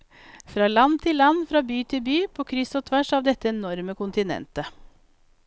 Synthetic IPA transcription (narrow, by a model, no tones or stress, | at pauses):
fɾɑːlɑn̚t̪ʰɪlːɑnfɾɑːbyːt̪ʰɪlbyːpʰoːkʰɾɪsoːt̪ʰʋæʂɑːʋd̪ɛt̪ːəɛnɔɾməkʊnt̪ɪnɛ̰nt̪ə